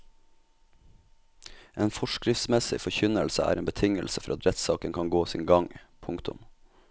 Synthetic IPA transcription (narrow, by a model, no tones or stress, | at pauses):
ʔeːnfɔʃkɾɪft̪smɛsɪ̰fɔçʏnəlsəæ̰ːɾʔeːnbət̪ʰɪŋəlsəfɔɾɑt̪ɾɛt̪sɑːkənkʰɑŋɡoːsḭːŋɡɑŋpʰʊŋkt̪ʊ̰m